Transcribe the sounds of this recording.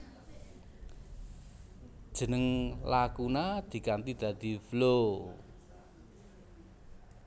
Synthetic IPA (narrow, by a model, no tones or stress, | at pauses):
d̥ʒ̥ə̤nəŋlakunad̪̥i̤kant̪id̪̥ä̤d̪̥i̤flo